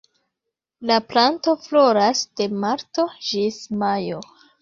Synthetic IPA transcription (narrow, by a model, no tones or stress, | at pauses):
laplanto̞floɾasd̥e̞maɾto̞d͡ʒismajo